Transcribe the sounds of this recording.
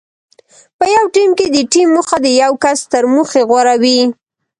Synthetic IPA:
pəjawʈimked̪əʈimːuxad̪əjawkast̪əɾmuxeɣwaɾawi

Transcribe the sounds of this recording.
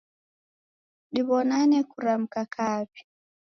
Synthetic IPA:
ɗiβɔnanɛkuɾam̩kakʰapi̥

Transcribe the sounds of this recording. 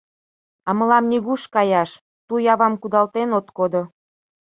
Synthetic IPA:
ɑmə̆lɑmnʲiɣuʃkɑjɑʃ | t̪ujɑβɑmkud̪ɑlt̪enot̪kod̪o

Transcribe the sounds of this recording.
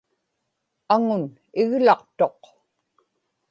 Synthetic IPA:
aŋʊn | ɪɣlɑqt̪oq

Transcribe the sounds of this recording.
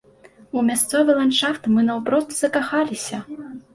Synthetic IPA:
umʲast̪sɔvɨlˠanʂaft̪mɨnɐwpɾɔst̪z̥ɐkaxalʲisʲɐ

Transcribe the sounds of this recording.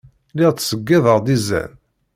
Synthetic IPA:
lɪʁt͡sːsəɡːæðəʁd̪izæ̰n

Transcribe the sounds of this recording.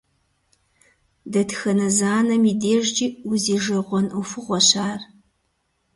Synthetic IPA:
dɐtxɐnɐzaːnɐmiːdeːʒd͡ʒiːuziːʒɐʁʷɔnufɨʁʷɔɕaːr

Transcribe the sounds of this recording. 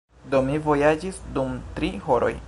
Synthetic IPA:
do̞mivo̞jad͡ʒisdumtɾiɦoɾo̞̰j

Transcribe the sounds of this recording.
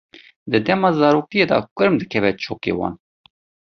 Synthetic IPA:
d̪ɨd̪ɛmɑːzɑːɾoːkijeːd̪ɑ̰kʷɨɾmd̪ɨkʰɛvɛt͡ʃʰoːkḛːwɑ̰ːn

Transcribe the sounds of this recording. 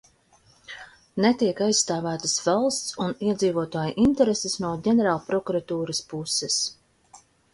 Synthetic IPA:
nɛt̪iɛkajsst̪aːvæːt̪əsvalˠst̪suniɛd̪ziːvuɔt̪aːjuʔint̪ɛɾesesnuɔɟɛnɛɾaːlˠpɾɔkuɾat̪uːɾaspusɛs

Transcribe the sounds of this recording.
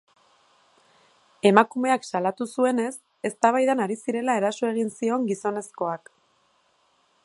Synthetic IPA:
e̞makume̞aksalat̪usue̞ne̞s | e̞st̪aβajðanaɾisiɾe̞lae̞ɾaso̞e̞ɣ̞insio̞ŋɡiso̞ne̞sko̞ak

